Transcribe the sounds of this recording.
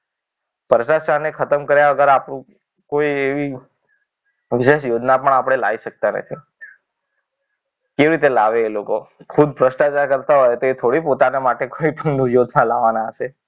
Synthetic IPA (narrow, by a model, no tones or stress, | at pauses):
pəɾʃaʃanekʰət̪əmkəɾjaʋəɡəɾapɽũ | koieʋi | ʋɪʃeʃjod͡ʒnapəɳapəɽ̃elaʋiʃək̚t̪anə̰t̪ʰi | keʋiɾit̪elaʋeːlokokʰud̪̚pɾəʃʈad͡ʒakəɾt̪aɦojt̪oet̪ʰoɽipot̪anemaʈekoipəɳnujod̪nalaʋanaəʃe